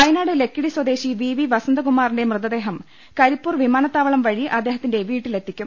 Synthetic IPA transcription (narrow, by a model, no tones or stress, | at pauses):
ɐjnaːɽele̞kːiɽiswɐd̪e̞ːɕiʋiːʋiʋɐsɐnd̪ɐkumːaːrinde̞mrɨðɐd̪e̞ːɦɐm | kɐɾipːuːrʋimaːnɐt̪ːaːʋɐɭɐmʋɐɻiʔɐd̪ːe̞ːɦɐt̪ːinde̞ʋiːʈːile̞t̪ːikʲːum